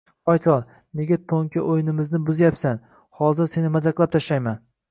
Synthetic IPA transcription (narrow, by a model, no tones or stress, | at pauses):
ɒjt̪ʰɒɾ | ne̞ɡʲat̪ʰoŋkʲʰɪʔojnɪmɪznɪbʊzjapsan | hɒzɪɾse̞nɪmazaklˠap̚t̪ʰaʃlajman